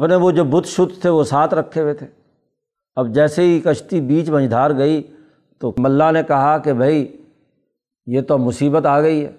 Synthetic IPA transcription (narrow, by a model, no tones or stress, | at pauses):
ɐpneʋod͡ʒoːbʊt̪ːʃʊd̪ʱt̪ʰeʋosaːt̪ʰɾɐkʰːewet̪ʰeː | ɐb̚d͡ʒɛːseɦikɐʃt̪ibiːt͡ʃmɐ̃ɲd͡ʒd̪ʱaːɾɡɐi | t̪omɐlːanekɐɦakebʱɐi | jeːt̪omʊsiːbət̪aːɡɐiɦɛ̰ː